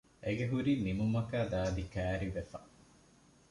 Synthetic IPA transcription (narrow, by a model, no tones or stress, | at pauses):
ʔeɡeɦuɾiːmimumɐkæːd̪aːd̪ikæːɾiʋefɐ